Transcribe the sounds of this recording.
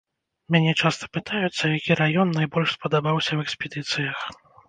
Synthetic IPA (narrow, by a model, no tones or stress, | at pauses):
mʲanʲɛt͡ʂast̪ɐ̥pɨt̪ajut̪sːɐjakʲiɾajɔnːajbɔlʲʂspɐd̪abawsʲɐwɛksʲpʲɛd̪ɨt̪sɨjɐx